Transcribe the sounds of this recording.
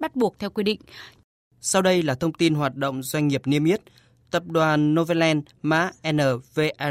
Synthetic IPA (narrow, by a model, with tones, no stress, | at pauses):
ɓa˦˥t̚ɓu˨˩ək̚t̪ʰɛ˧wkwi˧ɗḭ̈˧˨ŋ̟ | sa˧wɗə˧jlaː˨˩t̪ʰə˧wŋ͡mt̪i˧nɦwaː˨˩t̚ɗo̰˧˨wŋ͡mzwa˧jŋ̟ŋi˨˩əp̚ni˧əmi˦˥ət̚ | t̪ə˨˩p̚ɗwaː˨˩nːo˧və˧lɛ˧n | ma̰ː˧˥ʔɛ˧nəː˨˩ve˧ʔɛ˧